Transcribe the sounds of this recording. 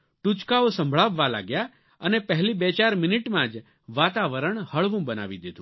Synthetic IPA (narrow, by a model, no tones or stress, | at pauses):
ʈut͡ʃkaosə̃mbʱɭaʋːala̰ɡja | ənepəɦlibet͡ʃaɾmɪnɪʈmãd͡ʒ | ʋat̪aʋəɾəɳhəɭʋũbəna̰ʋid̪ed̪ũ